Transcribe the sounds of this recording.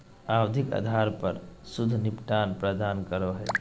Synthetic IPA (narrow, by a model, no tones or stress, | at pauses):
awd̪ʱika̰d̪ʱaɾpəɾsud̪ʱnipʈanpɾəd̪ankəɾoɦɛ